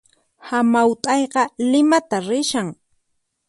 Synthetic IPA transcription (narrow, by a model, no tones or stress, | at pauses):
hamawt̪ʼɑjqɑlɪmat̪aɾɪʃaŋ